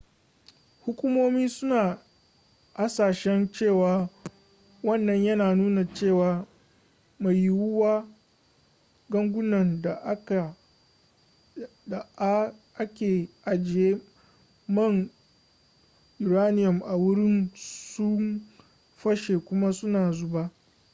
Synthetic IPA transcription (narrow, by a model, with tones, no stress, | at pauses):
hʊ˦kʷʊ˦moː˦miː˦sʊ˦naː˨ | ʔa˦saː˨ʃɛ˦nt͡ʃeː˦˨waː˨ | wɐ˦˨nːɐ˨ɲjɐ˦naː˨nuː˦na˨t͡ʃeː˦˨waː˨ | ma˨ji˦wʊ˦waː˦ | ɡɐ˦ŋɡʷʊ˦nɐ˨nda˨˦˨ | a˨˦ʔa˦kʲeː˨ʔa˨d͡ʒɪ˨eː˦ | mɐ˦˨ŋ | ʔɪ˨ɾaː˦nɪ˦jɐ˨mʔa˨wʊ˦ɾɪ˦nsʊ˦m | ɸɐ˦ʃe˨kʷʊ˦ma˦sʊ˦naː˨zʊ˦baː˦